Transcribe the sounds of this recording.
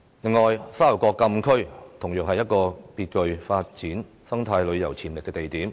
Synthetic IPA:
lɪ˨˩ŋːɔː˨˩jsaː˥lɐ˨˩wkʷɔː˧kːɐ˧mkʰɵ˥ɥt̪ʰʊ˨˩ŋjœː˨k̚hɐ˨jːɐ˥t̚kɔː˧piː˧t̚kɵ˧ɥfaː˧t̚t͡siː˨˥n | sɐ˥ŋt̪ʰaː˧jlɵ˨˧ɥjɐ˨˩wt͡sʰiː˨˩mlɪ˨kːɛː˧t̪e˨jt̪iː˨˥m

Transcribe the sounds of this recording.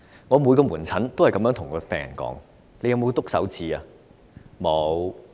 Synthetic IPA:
ŋɔː˨˧mu˨˧jkɔː˧muː˨˩nt͡sʰɐ˨˥nt̪o˥whɐ˨jkɐ˨mjœː˨˥ŋt̪ʰʊ˨˩ŋkɔː˨˧pɛː˨ŋjɐ̰˨˩nkɔ̰ː˨˥ŋ | le˨˧jɐ˨˧wmo˨˧wt̪ʊ˥k̚sɐ̰˨˥wt͡siː˨˧aː˧ | mo˨˧w

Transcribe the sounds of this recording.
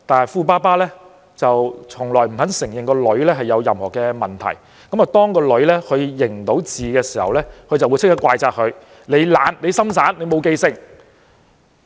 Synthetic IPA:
t̪aː˨nɐ˨˩jfuː˧paː˥paː˥lɛː˥ | t͡sɐ˨wt͡sʰʊ˨˩ŋlɔː˨˩jm̩˨˩hɐ˨˥nsɪ˨˩ŋjɪ˨ŋkɔː˧lɵ˨˥ɥlɛː˥ɦɐ˨jːɐ˨˧wjɐ˨mhɔː˨˩kɛː˧mɐ˨˩nt̪ʰɐ̰˨˩j | kɐ˨˥ma˨t̪ɔː˥ŋkɔː˧lɵ˨˥ɥlɛː˥kʰɵ˨˧ɥjɪ˨˩ŋt̪o˨˥wt͡siː˨kɛː˧siː˨˩hɐ˨wlɛː˥kʰɵ˨˧ɥt͡sɐ˨wu˨˧jt͡sʰkt̪ɐ˥kwaː˧jt͡saː˧k̚hɵ˨˧ɥ | ne˨˧jlaː˨˥nle˨˧jsɐ˥msaː˨˥nle˨˧jmo˨˧wke˧jsɪ˧ŋ̚

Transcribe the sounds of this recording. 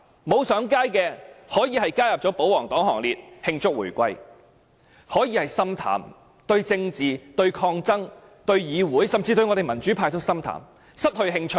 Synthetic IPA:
mo˨˧wsœː˨˥ŋkaː˥jkɛː˧hɔː˨˥jiː˨˧ɦɐ˨jkaː˥jɐ˨p̚t͡ʃɔː˨˥po˨˥wɔː˨˩ŋt̪ɔː˨˥ŋhɔ̰ː˨˩ŋliː˨t̚hɪ˧ŋt͡sʊ˥k̚wṵː˨˩jkʷɐ˧j | hɔː˨˥jiː˨˧hɐ˨jsɐ˥mt̪ʰa̰ː˨˩m | t̪ɵ˧ɥt͡sɪ˧ŋt͡siː˨˩t̪ɵ˧ɥkʰɔː˧ŋt͡sɐ˥ŋ | t̪ɵ˧ɥjiː˨˧wuː˨˥jsɐ˨˩mt͡siː˧t̪ɵ˧ɥŋɔː˨˧e˨jmɐ˨˩nt͡ʃyː˨˥pʰaː˧jt̪ʰʊ˥sɐ˥mt̪ʰa̰ː˨˩m | sɐ˥t̚hɵ˧ɥɦɪ˧ŋt͡ʃʰɵ˥

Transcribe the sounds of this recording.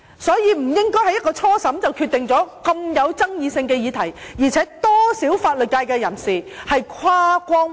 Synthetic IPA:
sɔː˨˥jiː˨˧m̩˨˩jɪ˥ŋkɔː˥jhɐ˨jɐ˥kːɔː˧t͡sʰɔː˥sɐ˨˥mt͡sɐ˨wkʰyː˧t̪ɪ˨ŋt͡sɔː˨˥kɐ˧mjɐ˨˧wt͡sɐ˥ŋjiː˨˧sɪ˧ŋkɛː˧jiː˧t̪ʰɐ˨˩jjiː˨˩t͡sʰɛː˨˥t̪ɔː˥siː˨˥wfaː˧t̚lɵ˨t̚kaː˧jkɛ˧jɐ˨˩nsiː˨hɐ˨jkʰwaː˥kʷɔː˥ŋ

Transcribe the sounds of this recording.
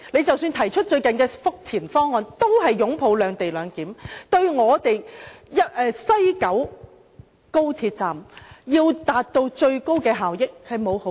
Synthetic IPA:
le˨˧jt͡sɐ˨wsyː˧nt̪ʰɐ˨˩jt͡ʃʰɵ˥t̚t͡ʃɵ˧ɥkɐ˨nkɛː˧fʊ˥k̚t̪ʰiː˨˩nfɔː˥ŋːɔː˨˧nt̪o˥whɐ˨jːʊ˨˥ŋpʰo˨˧wlœː˨˧ŋt̪e˨jlœː˨˧ŋkiː˨˥mt̪ɵ˧ɥŋɔː˨˧t̪e˨jjɐ˥t̚ʔɛː˨˧sɐ˥jkɐ˨˥w | ko˥wt̪ʰiː˧t̚t͡saː˨mjiː˧wt̪aː˨t̚t̪o˧wt͡ʃɵ˧ɥko˥wkɛː˧ɦaː˨wjɪ˥k̚hɐ˨jmo˨˧who˨˥

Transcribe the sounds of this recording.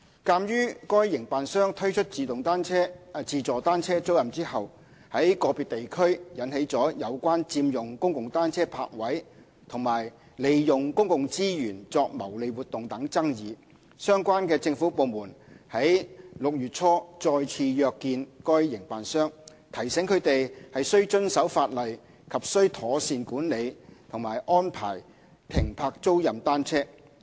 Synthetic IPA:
kaː˧mjyː˥kɔː˥jːɪ˨˩ŋpaː˨nsœː˥ŋt̪ʰɵ˥t͡ʃʰɵ˥t̚t͡siː˨˧t̪ʊ˨ŋt̪aː˥nt͡sʰɛː˥t͡siː˨˧t͡sɔː˨t̪aː˥nt͡sʰɛː˥t͡so˥wjɐ˨mt͡siː˥hɐ˨w | hɐ˨˥jkɔː˨˧piː˨˧t̪̚e˨jkʰɵ˥ɥjɐ˨˥nhe˨˥jt͡sɔː˨˥jɐ˨˧wkʷaː˥nt͡siː˧mjʊ˨ŋkʊ˥ŋkʊ˨ŋt̪aː˥nt͡sʰɛː˥pʰa̰ː˧k̚wɐ˨˥j | t̪ʰʊ˨˩ŋmaː˨˩j | le˨jjʊ˨ŋkʊ˥ŋkʊ˨ŋt͡siː˥jyː˨˩nt͡sɔː˧k̚mɐ˨˩wle˨˧jwuː˨t̪ːʊ˨ŋt̪ɐ˨˥ŋt͡sɐ˥ŋjiː˨˧ | sœː˥ŋkʷwaː˥nkɛː˧t͡sɪ˧ŋfuː˨˥po˨˧wmuː˨˩nhɐ˨˥jlʊ˨k̚jyː˨t̚t͡sʰɔː˥t͡sɔː˧jt͡sʰiː˧jœː˧kːiː˧nkɔː˥jːɪ˨˩ŋpaː˨nsœː˥ŋ | t̪ʰɐ˨˩jsɛ˨˥ŋkʰɵ˨˧t̪e˨jhɐ˨jsɵ˥ɥt͡ʃɵ˥nsɐ˨˥wfaː˧t̚lɐ˨j | kʰɐ˨p̚sɵ˥ɥt̪ʰɔː˨˥siː˧nkuː˨˥nle˨˧jt̪ʰʊ˨˩ŋmaː˨jʔɔː˥npʰa̰ː˨˩j | t̪ʰɪ˨˩ŋpʰaː˧k̚t͡so˥wjɐ˨mt̪aː˥nt͡sʰɛː˥

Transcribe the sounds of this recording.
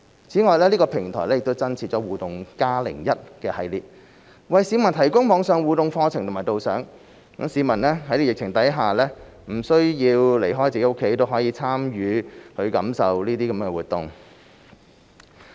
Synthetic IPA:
t͡sʰiː˨˥ŋɔː˨˧jlɛː˥liː˥kɔː˧pʰɪ˨˩ŋt̪ʰɔ̰˨˩lɛː˥jɪ˨kt̪wt͡sɐ˥nt͡sʰiː˨t̚t͡ʃɔː˨˥wuː˨t̪ʊ˨ŋkaː˥lɪ̰˨˩ŋjɐ˥t̚kɛː˧hɐ˨˧jliː˨t̚ | wɐ˨jsiː˨˧˥mɐ˨˩nt̪ʰɐ˨˩jkʊ˥ŋmɔː˨˧ŋsœː˨˧ŋwuː˨˧t̪ʊ˨ŋfɔː˧t͡sʰɪ˨ŋt̪ʰmaː˨˩jt̪o˨wsœː˨˥ŋ | kɐ˨˥msiː˨˧mɐ˨˩nlɛː˥hɐ˨˥jli˥˩jɪ˨k̚t͡sʰɪ˨˩ŋt̪ɐ˨˥jɦaː˨lɛː˥ | m̩˨˩sɵ˥ɥjiː˧wle˨˩jɦɔː˥jt͡siː˨˥kʊ˥kʰːe˨˥jt̪o˥wɦɔː˨˥jiː˨˧˥t͡sʰaː˥mjyː˨˧hɵ˧kɐ˨˥msɐ˨wliː˥t̪iː˥kɐ˨˥m˥kɛ˧wuː˨t̚t̪ʊ˨ŋ

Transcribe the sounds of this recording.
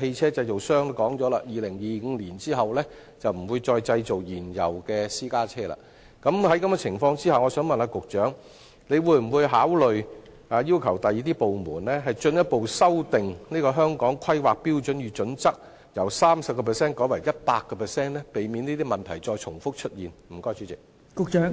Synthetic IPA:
he˧jt͡sʰɛː˥t͡sɐ˧jt͡so˨wsœː˥ŋkɔː˨˥ŋt͡sɔː˨˥la̰ː˧jiː˨lɪ˨˩ŋjiː˨ŋ̩˨˧liː˨˩nt͡siː˥ɦɐ˨wlɛ˥ | t͡sɐ˨wm̩˨˩wuː˨˧jt͡sɔː˧jt͡sɐ˧jt͡so˨wjiː˨˩njɐ̰˨˩wkɛː˧siː˥kaː˥t͡sʰɛː˥la̰ː˧ | kɐ˨˥mhɐ˨˥jkɐ˨˥mɡɛ˧t͡sʰɪ˨˩ŋfɔː˧ŋt͡siː˥haː˨wŋɔː˨˧sœː˨˥ŋmɐ˨naː˧kʊ˨k̚t͡ʃœː˨˥ŋ | ne˨˧jwuː˧jm̩˨˩wuː˨˧jɦaː˨˥wlɵ˨ɥ | aː˨˧ji˥wkʰɐ˨˩wt̪ɐ˨jiː˨˥t̪̬iː˥po˨wmuː˨˩nlɛː˥ɦɐ˨jt͡ʃɵ˧njɐ˥t̚po˨wsɐ˥wt̪ɪ˨ŋniː˥kɔː˧ɦœː˥ŋkɔː˨˥ŋkʰɐ˥jwaː˨k̚piː˥wt͡ʃɵ˨˥njyː˨˧t͡ʃɵ˨˥nt͡sɐ˥k̚ | jɐ˨˩wsaː˥msɐ˨p̚kɔː˧pʰɛː˨sɛː˥nkɔː˨˥jwɐ˨˩jɐ˥t̚paː˧kːɔː˧pʰɛː˨sɛː˥nlɛ˥pe˨jmiː˨˧niː˥t̪iː˥mɐ˨˩nt̪ʰɐ˨˩jt͡sɔː˧jt͡ʃʰʊ˨˩ŋfʊ˥k̚t͡ʃʰɵ˥t̚jiː˨˩nm̩˨˩kɔː˥˩jt͡ʃyː˨˥t͡sɪ˨k̚ | kʊ˨k̚t͡ʃœː˨˥ŋ

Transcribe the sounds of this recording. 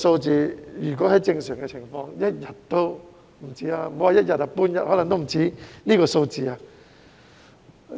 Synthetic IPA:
so˧wt͡siː˨˧jyː˨˩k̬ɔː˨˥hɐ˨˥jt͡sɪ˧ŋsœː˨˩ŋkɛ˧t͡sʰɪ˨˩ŋfɔː˧ŋjɐ˥t̚jɐ˨t̚t̪o˥w | m̩˨˩t͡siː˨˥aː˧m̩˨˩o˨˦waː˨˧jɐ˥t̚jɐ˨t̚aː˧puː˥njɐ˨t̚hɔː˨˥lɐ˨ŋt̪o˥m̩˨˩t͡siː˨˥niː˥kɔː˧so˧wt͡siː˨˧aː˧

